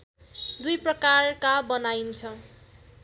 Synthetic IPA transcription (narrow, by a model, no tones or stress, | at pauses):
d̪ujprʌkarkabʌnajnt͡sʰʌ